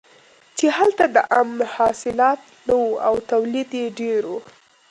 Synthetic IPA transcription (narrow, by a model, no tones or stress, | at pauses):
t͡ʃehalt̪ad̪əʔamnhɑsɪlɑt̪ | nawuawt̪awlid̪jeɖeɾu